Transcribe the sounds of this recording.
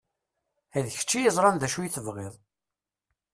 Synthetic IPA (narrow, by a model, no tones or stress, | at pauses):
æðçə̥t͡ʃːijəzˤɾˤɑnðæʃujiθəvʁeðˤ